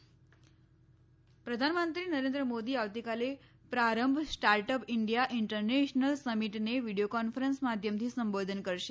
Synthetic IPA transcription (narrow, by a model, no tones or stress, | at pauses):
pɾəd̪ʱanmənt̪ɾinəɾẽnd̪ɾəmod̪iːaʋt̪ikale | pɾaɾəmbʱsʈaɾʈəpiɳɖijaʔiɳʈəɾneɕnəlsəmiʈneʋiɽijokɔnfəɾənsmad̪ʱjəmt̪ʰiːsəmbod̪ʱənkəɾʃe̥